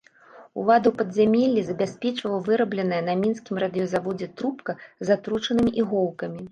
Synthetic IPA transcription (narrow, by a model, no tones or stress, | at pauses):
ṵlˠad̪ɐwpɐd̪zʲamʲɛlʲːizɐbʲasʲpʲɛt͡ʂvɐwwvɨɾɐblʲɛnɐjɐnɐmʲinskʲimrɐd̪ɨjɔzavɔd͡zʲɛt̪ɾupkɐzat̪ɾut͡ʂɐnɨmʲiʔiɣɔwˠkɐmʲi